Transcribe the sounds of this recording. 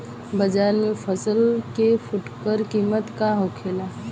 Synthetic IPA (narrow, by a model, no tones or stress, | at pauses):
bəd͡ʒaːɾmẽfʰəsəlkefʰʊʈkəɾkiːmət̪kaɦokʰeːlaː